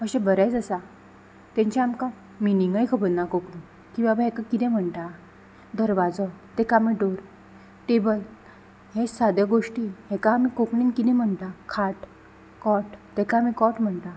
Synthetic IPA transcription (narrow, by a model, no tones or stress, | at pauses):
əɕɛ̃bəɾajt͡səsa | t̪ɛ̃ɲt͡ɕãamkã | miniŋɡəjkʰəbənːakokɽin | kĩʋabəɦɛkakit̪ɛ̃m̤əɳt̪a | d̪əɾʋad͡zɔt̪ɛkamiɖoɾ | ʈ̪ebəj | ɦẽsad̪jəɡoʂʈiɦɛkaamikokɳiːnkit̪ɛ̃m̤əɳt̪akʰaʈ | kɔʈt̪ɛkãːmikɔʈm̤əɳt̪a